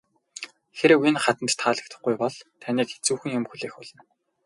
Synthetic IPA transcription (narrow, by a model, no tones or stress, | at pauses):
xeɾɘ̆winχat̪ə̆nt̪t̪ʰːaːɮə̆k̚t̪ʰə̆χɡujpɔɮt̪ʰaniːket͡suːxɘ̆ŋjʊmxuɮeːxʊɮɞ̆n